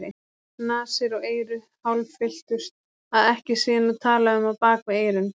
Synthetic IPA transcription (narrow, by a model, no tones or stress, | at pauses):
ɾɪ̰ | naːsɪɾɔɣeːjɾʏ | hawlfɪl̥t̪ʏst̪̚ | aðɛhcɪsiːnat̪ʰaːlaʏmaðpaːkvaeːjɾʏn